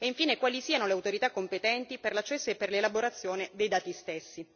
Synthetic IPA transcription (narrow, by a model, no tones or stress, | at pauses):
eiɱfiːnekwaːlisiːanoleawt̪oɾit̪akːompet̪ɛnt̪iperlat͡ʃːɛsːoepːerlelaboɾat̪sːjoːned̪ejd̪aːt̪ist̪esːi